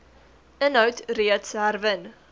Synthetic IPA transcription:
ənɦœwtriətsærvən

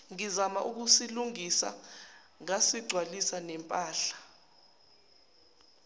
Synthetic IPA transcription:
ŋizama̰ʔuk̬usiluŋisa̰ | ŋasiɡ͡ǀʱwalisanɛmpʼaːɬḁ

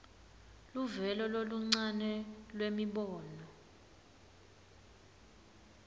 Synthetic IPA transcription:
luvɛlɔloluŋ͡ǀanɛlwemiɓɔːnɔ

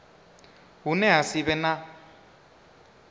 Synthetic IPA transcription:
ɦunɛɦasiβɛna

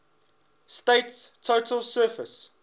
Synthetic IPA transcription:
steɪtstʰotʰəlsɜfəs

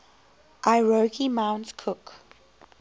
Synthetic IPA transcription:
ʔaɪɹokʰimãʊ̃nskʰʊk

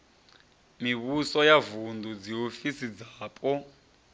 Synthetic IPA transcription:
miβusɔjavundʱud͡ziɦofisid͡zaːpʼɔ

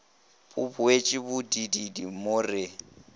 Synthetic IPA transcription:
bʊbʊet͡ʃʼɪbʊdididimʊrɪ

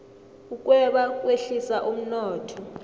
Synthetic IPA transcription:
uk̬ʼwɛɓakʼweɬisaʔum̩nɔːtʰɔ

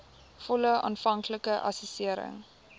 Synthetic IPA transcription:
fɔləɑ̰ːnfɐŋkləkəʔɐ̰səsiəɾə̰ŋ

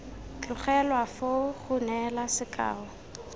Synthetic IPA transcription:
kχɛlwafoχʊnɛlasɪkʼa̰ːɔ

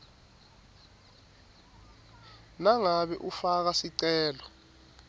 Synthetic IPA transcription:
naŋaɓɛʔufak̬asiǀɛːlɔ

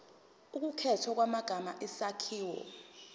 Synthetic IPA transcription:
uk̬ukʰɛtʰɔk̬wamaɡ̥ʱamaʔɛsakʰiːwɔ̰

